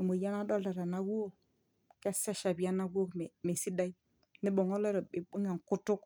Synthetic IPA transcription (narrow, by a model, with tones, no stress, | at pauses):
i˨mo˨ja˦na˦do˦lda˨ɾa˨na˦wo˦o˦ | ke˦sa˦ʃa˨bi˨a˦na˦ɡo˦ke˨me˨si˦da˦i˦ | ni˦ɓo˨ŋo˦le˦ɾo˨ɓe˨ɓu˦ŋe˨ku˦tu˦k